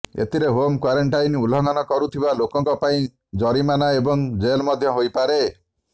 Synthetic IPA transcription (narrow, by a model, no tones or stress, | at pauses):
ḛt̪ʰiɾeɦomkwaɾɔɳʈajnulɔŋɡanɔkɔɾut̪ʰibalokɔŋkɔpaĩ | d͡ʒɔɾimanaebɔŋd͡ʒelmɔd̪ʱjɔɦojpaɾe